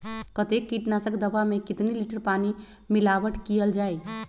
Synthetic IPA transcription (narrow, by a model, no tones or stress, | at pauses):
kət̪ekːiʈnasəkd̪əbamekit̪niliʈəɾpani | milabəʈʰkijəld͡ʒaj